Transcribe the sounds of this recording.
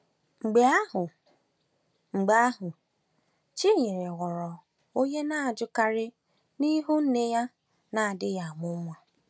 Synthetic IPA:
ŋ͡m̩˨ɡ͡be˨a˦ɦʊ˨ | ŋ͡m̩˨ɡ͡ba˨a˦ɦʊ˨ | t͡ʃi˦ɲe˨ɾɪ˨ɣɔ˨ɾɔ˨ | o˦ɲe˦na˦a˨d͡ʒʊ˦ka˦ɾɪ˦ | ni˦ɦu˦n̩˦ne˦ja˦ | na˨a˨dɪ˦ja˨a˨mʊ˦mʷ˦a˦

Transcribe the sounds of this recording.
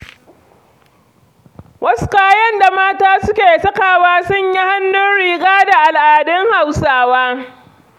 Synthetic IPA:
wɐ˦sʊ̥˦kaː˦jɐ˦nda˨maː˦taː˦sʊ˦kʲeː˨sɐ˦kaː˨waː˦sʊ˦˨ɲji˦ha˦nːʊ˦nɽiː˨ɡaː˦da˨ʔa˨lʔaː˨dɪ˦ŋha˨wsaː˦waː˦

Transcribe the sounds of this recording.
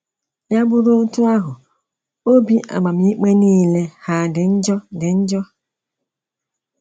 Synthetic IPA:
ja˦ɡ͡bʊ˦ɾo˦o˦tu˦a˦ɦʊ˨ | o˦bi˦ʔa̰˨ɡ͡ba˨m̩˨˦i˦k͡pe˦niː˦˨le˦ha˦˨dɪ˨n̩˦d͡ʒɔ˦dɪ˨n̩˦d͡ʒɔ˦

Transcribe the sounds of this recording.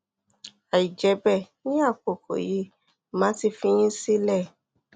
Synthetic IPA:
a˨i˨d͡ʒɛ˨˧bɛ˦˨ | nĩ˦a˦˨ko˨kʰo̰˨ji˨˦ | mãː˨˦ti˧fĩ˧j̃ĩ˦si˦lɛ˦˨

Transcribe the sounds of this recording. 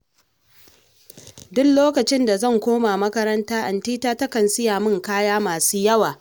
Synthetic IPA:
dʊ˦kloː˦kɐ˨t͡ʃɪ˦nda˨zɐ˦˨ŋkʷoː˦maː˨mɐ˦kɐ˦ɾɐ˦ntaː˦ʔa˨ntiː˦taː˦tɐ˦kɐ˨nsɪ˦jaː˨mɪ˦˨ŋkaː˦jaː˦maː˨suː˦jɐ˦waː˨

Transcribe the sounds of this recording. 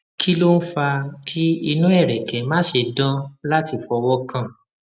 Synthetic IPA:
kʰi˦lo˦n̩˦fa˧kʰi˦i˧nũ˦ɛ˦˨ɾɛ˨kɛ̃˨˦mãː˨˦ʃe˧dã˦la˦ti˧fɔ˧wɔ˦kã˦˨

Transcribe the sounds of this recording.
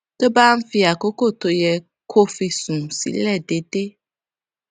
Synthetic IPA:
t̪o˦ba˦m̩˦fi˦a˨ko˦ko˦˨t̪o˨jɛ˨ | kʰo˦fi˧sũ˨sḭ˨lɛ˦˨ɖe˨ɖe˦

